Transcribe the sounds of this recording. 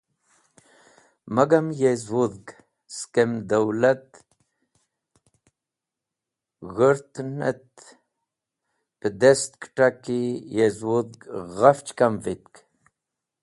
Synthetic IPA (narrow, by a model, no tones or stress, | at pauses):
maɡamjezwuðɡ | skemd̪awlat̪ | ɣəɾt̪nət̪ | pəd̪est̪kʈakijezwud̪ɡɣaft͡ʃkamvit̪̚k